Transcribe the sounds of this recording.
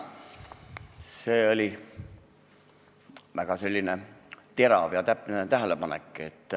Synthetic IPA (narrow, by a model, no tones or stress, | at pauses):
seːolʲi | ʋæɡ̥ɑse̞lʲːinet̪e̞ɾɑʋjɑt̪æpnet̪æɦælepɑnḛkːˑet̪ːˑ